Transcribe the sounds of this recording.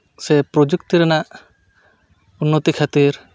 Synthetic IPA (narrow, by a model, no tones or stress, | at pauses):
sepɾod͡ʒukt̪iɾɛna | unːot̪ikʰat̪iɾ